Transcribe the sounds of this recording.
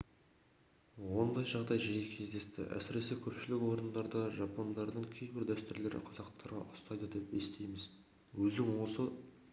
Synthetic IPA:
wo̞nd̪ɑjʒɑʁd̪ɑjʒejekʲʰe̞zd̪est̪ɪ̰ʔæ̰sɪɾe̞sekʲʰɵpʃɪlɪkwo̞ɾənd̪ɑɾd̪ɑʒɑpʰo̞nd̪ɑɾd̪əɴkʲʰe̞jbɪɾd̪æst̪ʏɾle̞ɾɪ̰qʰɑzɑqt̪ʰɑɾʁɑ̰ʔʊ̥st̪ɑjd̪əd̪e̞pest̪e̞jmɪz | wɵzɪŋwo̞sə

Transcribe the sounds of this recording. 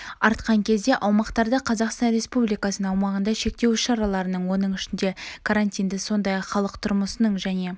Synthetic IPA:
ɑɾt̪qɑŋkʲʰe̞zd̪e̞ʔɑwmɑqt̪ɑɾd̪əqʰɑzɑqst̪ɑnɾe̞spublijkɑsənəɴɑwmɑʁənd̪ɑʃe̞k̚t̪e̞wɪʃɑɾɑlˠɑɾənəɴwo̞nəɴɪʃɪnd̪e̞kʰaɾant̪ijnd̪ɪso̞nd̪ɑjɑqχɑlˠəqt̪ʰʊɾməsənəɴʒæne̞

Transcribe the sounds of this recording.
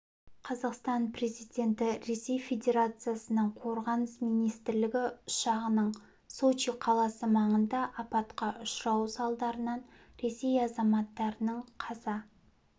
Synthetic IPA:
qʰɑzɑqst̪ɑnpre̞zijd̪ʲe̞nt̪ɪɾe̞se̞jfed̪ʲe̞ɾat̪sɨjasənəɴqʰo̞ɾʁɑnəsmijnijst̪ɪɾlɪɡʲɪʊʃɑʁənəɴ | so̞t͡ʃiqʰɑlˠɑsəmɑɴənd̪ɑʔɑpɑt̪qɑʔʊʃɾɑwsɑlˠd̪ɑɾənɑn | ɾe̞se̞jɑzɑmɑt̪ːɑɾənəɴqʰɑzɑ

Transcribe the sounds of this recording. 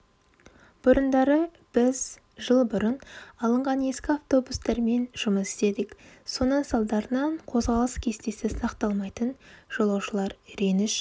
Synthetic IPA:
b̥ʊɾənd̪ɑɾə | b̥ɪz | ʒəlˠbʊɾənɑlˠəɴʁɑnje̞skʲɪaft̪o̞bust̪ɑɾme̞nʒʊməsɪ̥se̞d̪ɪkso̞nəsɑlˠd̪ɑɾənɑɴqʰo̞zʁɑlˠəskʲʰe̞st̪e̞sɪsɑqt̪ɑlˠmɑjt̪ənʒ̥olˠɑwʃəlˠɑɾɾenɪʃ

